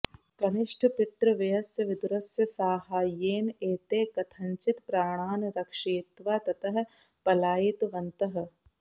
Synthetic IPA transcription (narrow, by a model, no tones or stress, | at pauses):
kɐnɪʂʈʰpɪt̪ɾɐʋɐjɐsjɐʋɪd̪uɾɐsjɐsaːɦaːjeːneːt̪eːkɐt̪ʰɐɲt͡ʃɪt̪pɾaːɳ̃aːnɾɐkʂeːt̪ʋaːt̪ɐt̪ɐɦ̆pɐlaːjit̪ʋɐnt̪ɐɦ̆